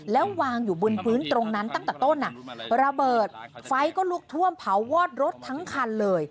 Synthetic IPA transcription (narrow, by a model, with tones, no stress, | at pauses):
lɛː˦˥wwaː˧ŋjuː˨˩bu˧npʰɯː˦˥nt̪ɾo˧ŋna˦˥nt̪a˥˩ŋt̪ɛː˨˩t̪o˥˩nːa˨˩ɾa˧bɤː˨˩t̪̚fa˦˥jkɔː˥˩lu˥˩ək̚t̪ʰu˥˩əmpʰa˩˦wːɔː˥˩t̪̚ɾo˦˥t̪ʰːa˦˥ŋkʰa˧nlɤː˧j